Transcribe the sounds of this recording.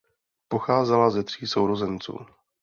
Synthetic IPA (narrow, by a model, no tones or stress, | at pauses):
po̞xaːzɛlazɛt̪r̝̥iːso̞wɾozɛnt͡sṵː